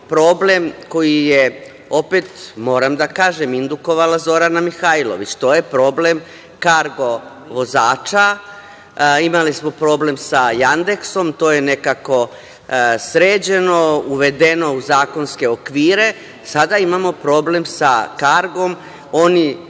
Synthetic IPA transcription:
pɾo̞ːble̞mko̞jije | ope̞t̪mo̞ːɾamd̪akaːʒe̞mind̪uko̞ʋalazo̞ɾanamixailo̰ʋit͡ɕt̪o̞ːje̞pɾo̞ːble̞m | kaɾɡo̞ | ʋo̞zaːt͡ʃa | imalismo̞pɾo̞ːble̞msajand̪e̞kso̞mt̪o̞ːje̞ne̞kako̞ | sɾeːd͡ʑe̞no̞uʋe̞d̪eno̞uzaːko̞nske̞okʋiːɾe̞ | sad̪aimamo̞pɾo̞ːble̞msa̰kaɾɡo̞m | o̞ni

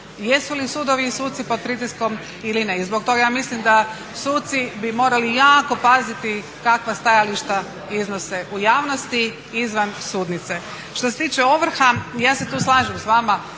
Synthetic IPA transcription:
je̞sulisuːd̪oʋiːsuːt̪t̪sipo̞d̪̚pɾit̪isko̞m | ilineizbok̚t̪o̞ɡajaːmislimd̪a | suːt̪t̪sibimo̞ːɾalijaːko̞pazit̪i | kakʋast̪ajaliʃt̪a | iznose̞ʔujaːʋnost̪i | izʋansuːd̪nit̪se | ʃt̪oset̪iːt͡ʃeo̞ʋr̩xajaːset̪uːslˠaːʒemsʋama

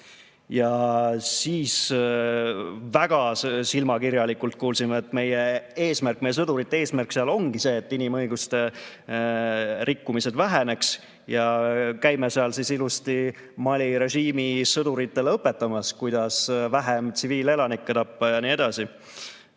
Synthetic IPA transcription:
jɑsiːs | væɡ̥ɑsilmɑkirjɑlikult̪̚kuːlsimeet̪ːˑme̞jeeːsmæɾrk̚ːmejesɤd̪uɾit̪ːˑee̞ːsmærkseɑlo̞ŋɡ̥ise̞ːt̪ːinimɤjɡ̥ust̪e̞ | ɾʔikːumise̞d̪væɦe̞ne̞ks | jɑkæjmeseɑlsisilust̪i | mɑlʲiɾe̞ʒiːmisɤd̪uɾit̪ːe̞lɤpːˑe̞t̪ːˑɑmɑskujd̪̥ɑsvæɦemt̪siviːle̞lɑnikːˑet̪ɑpːɑjɑnie̞d̪̥ɑsi

